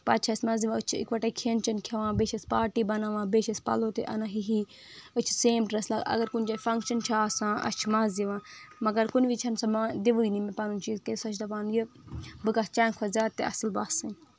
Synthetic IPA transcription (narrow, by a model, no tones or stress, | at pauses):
pɐt͡ʃʰɐsmɐziʋãət͡ʃʰḭkʋɐʈakʰent͡ʃɐnkʰɐʋãːbeːʃɐspaːɾʈiːbɐnaʋãːbeʃɐspɐ̰loːt̪ḛʔɐ̰nãɦiɦi | ɨt͡ʃʰi̥seːmʈɾɐslaːɡɐ̰ɡɐɾkunt͡ʃaːfɐŋkʃɐnt͡ʃʰaːsãːʔɐ̰t͡ʃʰmɐziʋãːmɐɡɐɾkunʋit͡ʃʰɐnsɐmãːd̪iʋuinimepaːnunt͡ʃiːzkesɐt͡ʃʰd̪ɐpaːnjibɨkast͡ʃaːnkʰɐzʲjaːd̪̚t̪ḛʔɐsɨlbasɐn